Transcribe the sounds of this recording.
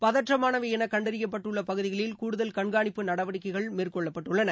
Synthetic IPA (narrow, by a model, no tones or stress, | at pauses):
pɐðɐʈrɐmaːnɐʋɐɛnɐkɐɳɖɐɾɪjɐp̬ːɐʈːɯɭːɐpɐɣɯðɪɣɐɭɪlkuːɽʊðɐlkɐɳɡaːɳɪpːɯnɐɽɐʋɐɽɪkːɐɪɣɐɭmeːrkɔɭːɐpːɐʈːɯɭːɐnɐ